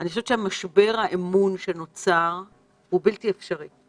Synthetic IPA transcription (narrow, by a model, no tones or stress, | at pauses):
anixoʃevet͡ʃehamaʃbe̞ʁhaʔemunʃeno̞t͡saʁ | hubiltiefʃaʁi